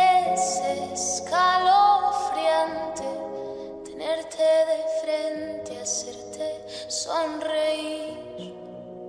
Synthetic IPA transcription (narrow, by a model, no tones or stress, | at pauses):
eseskalofɾjant̪e | t̪eneɾt̪ʰeðefɾent̪easeɾt̪ʰe | sonrei